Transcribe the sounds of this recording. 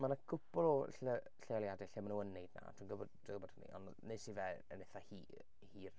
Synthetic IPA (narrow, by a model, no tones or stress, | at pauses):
manakʰʊpɔlˠɔɬə | ɬealˠjadɛɬɛmanuənːejdna̰tʰuːnɡəbɔd | əɡəbɔd̥ənḭʔɔ̰n | nesivɛə̰neθahi | hiːr